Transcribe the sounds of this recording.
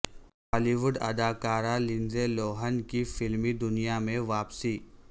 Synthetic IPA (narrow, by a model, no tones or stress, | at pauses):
ɔːliʋʊɖɐd̪aːkaːɾalɪ̃nzeloːɦənkifɪlmid̪ʊnijamẽʋaːpsiː